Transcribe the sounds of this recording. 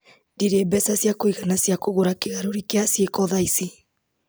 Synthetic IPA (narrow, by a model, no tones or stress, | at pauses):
ndiɾeːbɛsasjakoiɣanasjakoɣoɾakeɣaɾoɾikeasjekɔðaisi